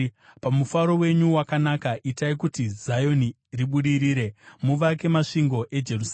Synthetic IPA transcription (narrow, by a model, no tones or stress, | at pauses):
pamufaɾo̞we̞ɲuwakanakaʔitaikutizajo̞ni | riɓuɗiɾiːɾe̞muʋake̞maʂiŋɡo̞ʔe̞d͡ʒe̞rus